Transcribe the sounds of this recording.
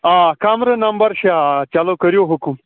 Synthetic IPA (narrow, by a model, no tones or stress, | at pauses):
aːkamɾənɐmbɐɾɕeat͡ʃalokɐɾjoɦukum